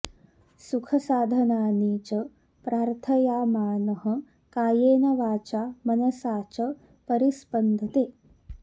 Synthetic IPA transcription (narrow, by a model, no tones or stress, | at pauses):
sukʰɐsaːd̪ʱɐnaːniːt͡ʃɐ | pɾaːɾt̪ʰɐjaːmaːnɐɦɐ̆ | kaːjeːnɐʋaːt͡ʃaːmɐnɐsaːt͡ʃɐ | pɐɾispɐnd̪ʱɐt̪eː